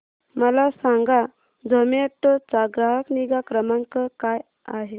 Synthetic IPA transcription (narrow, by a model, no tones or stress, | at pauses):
məlasaŋɡa | d͡zəmet̪ːɔt͡saɡɾaɦəkniɡakɾəmaŋkəkaj | aɦe